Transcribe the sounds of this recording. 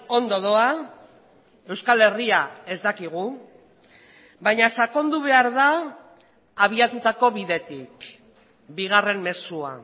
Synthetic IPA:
o̞nd̪o̞ðoa | e̞wskale̞riae̞zd̪akiɣ̞u | bajɲasako̞nd̪uβ̞e̞aɾðaː | β̞iat̪ut̪ako̞βiðe̞t̪ik | biɣ̞are̞mme̞sua̰

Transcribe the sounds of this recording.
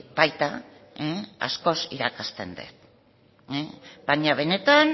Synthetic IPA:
bajt̪a | ea̰sko̞siɾakast̪e̞̰nd̪ḛt̪ | ebaɲaβ̞e̞ne̞t̪an

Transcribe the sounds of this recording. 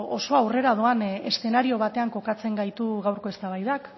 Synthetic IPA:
o̞so̞awre̞ɾað̞oane̞̰sθe̞naɾio̞β̞at̪e̞aŋko̞kat͡se̞ŋɡajt̪uɣawɾko̞est̪aβ̞ajðak

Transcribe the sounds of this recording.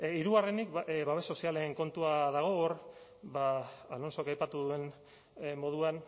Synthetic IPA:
iɾuɣarenikβaβe̞so̞siale̞ŋko̞nt̪uaðaɣ̞o̞ːɾ | baalo̞nso̞kajpat̪uðue̞n | mo̞ð̞uan

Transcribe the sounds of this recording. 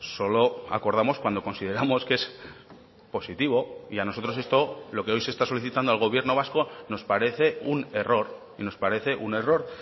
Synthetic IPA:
so̞lo̞a̰ko̞ɾð̞amo̞skwand̪o̞ko̞nsiðe̞ɾamo̞ske̞s | po̞sit̪iβo̞iano̞so̞t̪ɾo̞se̞st̪o̞lo̞ke̞o̞jse̞st̪aso̞liθit̪and̪alɣo̞β̞je̞ɾno̞β̞asko̞no̞spaɾe̞θe̞une̞ro̞ɾ | ino̞spaɾe̞θe̞ʔune̞ro̞ɾ

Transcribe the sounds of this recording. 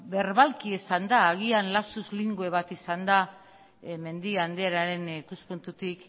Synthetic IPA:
be̞ɾβalkiesand̪aːɣ̞ianlasuzliŋɡue̞βat̪isand̪a | me̞nd̪iand̪eaɾaɾe̞nikuspunt̪ut̪ik

